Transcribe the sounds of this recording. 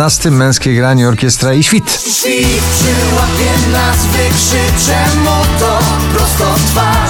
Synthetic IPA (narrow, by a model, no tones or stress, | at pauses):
ast̪ɘmːɛ̃w̃skʲejɡɾaɲɛɔɾkʲɛst̪ɾaiɕfʲit̪ | ipʂɘwapʲjɛmnazvɪkʂɛt͡ʂɛmut̪ɔ | pɾɔst̪ɔt̪va